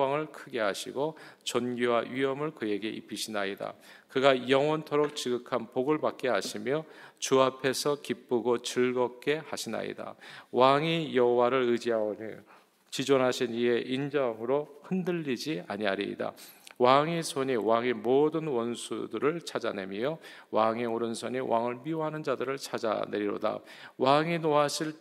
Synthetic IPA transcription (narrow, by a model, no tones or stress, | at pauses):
aŋɯɭkʰɯɡe̞ɦaɕʰiɡot͡ɕʌnɡiwaʔɥiʌmɯɭkɯje̞ɡe̞ʔḭpʰːiɕʰinaida̰kɯɡajʌŋwʌntʰoɾok̚t͡ɕiɡɯkʰanpoɡɯɭbak̚k͈e̞ɦaɕʰimjʌt͡ɕuapʰe̞sʰʌkip͈uɡot͡ɕɯɭɡʌk̚k͈e̞haɕʰina̰ḭda̰waŋijʌɦowaɾɯɾɯd͡ʑiɦao | t͡ɕid͡ʑonɦaɕʰiniɦe̞ʔind͡ʑʌŋɯɾohɯndɯʎːid͡ʑiaɲiɦaɾḭda̰waŋisʰoɲiwaŋemodɯnwʌnsʰudɯɾɯɭt͡ɕʰad͡ʑa̰ne̞mio | waŋioɾɯnsʰoɲiwʔaŋɯɭmioɦanɯnd͡ʑadɯɾɯɭt͡ɕʰad͡ʑa̰neɾiɾo̰da̰ | waŋinoɦaɕʰiɭ